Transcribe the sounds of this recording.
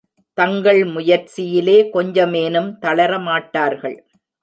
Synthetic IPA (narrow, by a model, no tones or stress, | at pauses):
t̪ɐŋɡɐɭmʊjɐɾt͡ʃɪjɪleːkɔɲd͡ʒɐmeːnɯmt̪ɐɭɐɾɐmaːʈːaːɾɣɐɭ